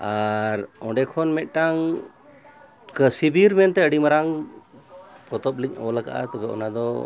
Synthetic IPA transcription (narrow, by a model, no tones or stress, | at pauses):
aɾɔɳɖɛkʰɔnmɛt̪̚ˀʈaŋ | kəsibiɾmɛnt̪ɛəɖimaɾaŋ | pɔt̪ɔpliɲɔlaka̰ʔa̰t̪ɔbɛʔɔ̰nad̪ɔ